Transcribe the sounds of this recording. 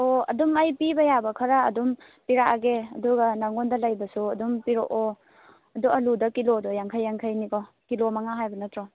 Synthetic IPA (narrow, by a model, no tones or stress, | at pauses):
oɐ̰dumajpibɐjabɐkʰaɾaːdum | piɾaaɡeɐduɡɐnaŋɔndɐlajbɐsuɐdumpiɾoʔɔ | ɐduʔɐludɐkilodɔjaŋkʰajːaŋkʰajnikɔ | kilomaŋaɦajbɐnɐtɾɔ